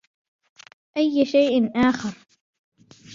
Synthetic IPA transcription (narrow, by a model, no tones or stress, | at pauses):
ʔajːʃajʔɪnʔaːxɪɾˤ